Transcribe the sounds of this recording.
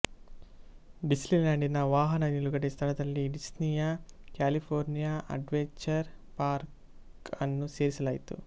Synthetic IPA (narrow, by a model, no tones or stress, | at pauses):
ɖislinɐɳɖinɐʋaːɦɐnɐniluɡɐʈist̪ʰɐɭɐt̪ɐlːiɖisnijakjaːlipʰoːɾnijaɐ̰ɖʋeɲt͡ʃɐɾ | paːɾk | ɐnːuseːɾsɐlɐjit̪ṵ